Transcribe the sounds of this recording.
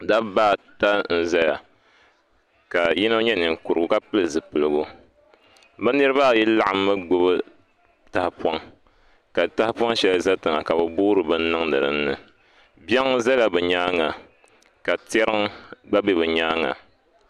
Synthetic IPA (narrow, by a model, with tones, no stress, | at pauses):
da˦bbaː˦˨ta˦n̩˦za˦ja˨ | ka˨ji˦no˦ɲɛ˦nɨ˨ŋ˨ku˨ɾɨ˨ɡʊ˨ka˦pɨ˦lɨ˨zɨ˨pɨ˨lɨ˨ɡu˦ | bɨ˦nɨ˦ɾɨ˦βa˦˨ji˦la˦ʔa˦mːɨ˦ɡ͡bo˦bɨ˦ | ta˨hɪ˦pwɔ˦ŋ | ka˨ta˦hɪ˦pɔ˦ŋʃɛ˦lza˦tɨ˨ŋa˨ka˨bɨ˨buː˦ɾɨ˨bɨ˦n̩˦nɨ˦ŋnɨ̰˨ɾɨ˦n̩ː˦ɨ̰˨ | bjɛ˦ŋ˦za˦la˨bɨ˨ɲaː˦ŋa˨ | ka˨tɛ˦ɾɨ˦ŋɡ͡ba˦bɛ˦bɨ˨ɲaː˦ŋa̰˨